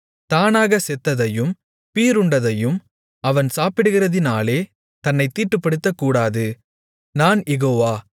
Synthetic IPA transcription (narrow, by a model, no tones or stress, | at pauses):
t̪aːnaːɣɐsɛt̪ːɐðɐjɯm | piːɾʊɳɖɐðɐjɯm | ɐʋɐnsaːpɪɽɯɣɪrɐðɪnaːleː | t̪ɐnːɐɪt̪ːiːʈːɯpːɐɽɯt̪ːɐkːuːɽaːðɯ | naːnjɛɣoːʋaː